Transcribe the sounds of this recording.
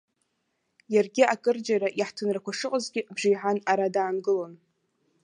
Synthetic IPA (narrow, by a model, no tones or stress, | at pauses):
jarɡʲɪakʼɨrd͡ʒaɾaʔiħtʰɨnrakʷʰaʂɨqʼəzɡʲɪbʒijħanaɾadaːnɡɨlo̞n